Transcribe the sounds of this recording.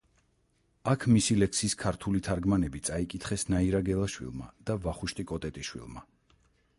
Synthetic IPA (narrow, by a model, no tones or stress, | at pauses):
akʰmisilɛkʰsiskʰaɾt̪ʰulit̪ʰaɾɡmanɛbit̪sʼaikʼit̪ʰχɛsnaiɾaɡɛlˠaʃwḭlˠma̰d̪̥avaχuʃt̪ʼikʼɔt̪ʼɛt̪ʼiʃwḭlˠma